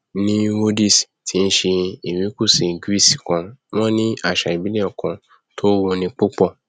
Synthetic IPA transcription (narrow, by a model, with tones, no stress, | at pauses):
nĩ˦wo˦di˦˨si̥˨tʰi˦n̩˦ʃe˧i˨mĩ˨˦ku˦˨si˨ɡi˦˨si˨kã˧mɔ̃˦nĩ˦a˦˨ʃa˨i˨bi˦le˦ɔ˦˨kã˧ | tʰo˦wo˧nĩ˧k͡po˦k͡pɔ˦˨